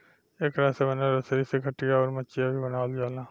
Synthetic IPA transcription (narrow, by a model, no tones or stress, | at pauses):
eːkɾaːsebənaɾəsəɾisekʰəʈːijaɔːɾmət͡ʃijabʱibənaːld͡ʒaːlãː